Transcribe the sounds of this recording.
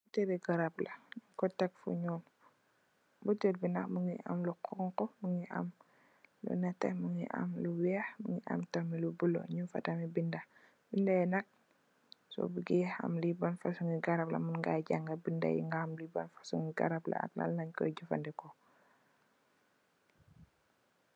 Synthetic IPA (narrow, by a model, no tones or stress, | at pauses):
butɛɾiɡaɾaplɐɲkɔtɛkfṵɲɔːn | butɛlbinɐkmuŋia̰mluqʰɔŋkɔmuŋiʔa̰m | lṵnatɛmuŋiʔa̰mluwɛhmuŋiʔa̰mtamilubulo̰ɲufa̰tamibinda | bindaɛnɐk̚ | sɔ̰buɡɛa̰mlibanfasuŋiɡaɾap̚la̰munŋɡaɟaŋɡabinda̰jḭŋɡamlibanfḁsuŋiɡa̰ɾabla̰a̰k̚la̰lnaɲkɔ̰ɟufa̰ndɛkɔ